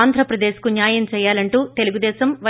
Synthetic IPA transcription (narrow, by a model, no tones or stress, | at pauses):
nd̪ʱɾɐpɾɐd̪eːʃkunjaːjɐmt͡ʃɛːjaːlɐɳʈuːt̪e̞luɡud̪ɛːʃɐmʋɐ